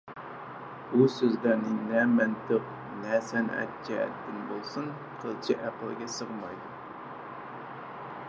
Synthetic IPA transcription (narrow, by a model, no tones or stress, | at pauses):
b̥usøzlæɾnɪnɛmɛnt̪ʰɨq̚ | nɛsɛnɛ̰t̪t͡ʃʰɛ̰ːt̪ːɪnbolˠsun | qʰəlˠt͡ʃʰɛʔæqəlˠɡʲɛsəʁmɑjd̪u